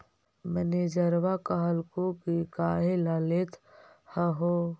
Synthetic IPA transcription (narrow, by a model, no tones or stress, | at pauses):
məned͡ʒəɾʋakəɦəlkokikaːɦelalet̪ʰ | həɦo